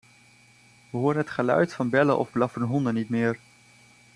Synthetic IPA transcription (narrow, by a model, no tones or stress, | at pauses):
ʋəɦoːɾənɦətχəlœ̰ɥtfɑnbɛləʔɔ̰vblɑfənɦɔndənitmɪːr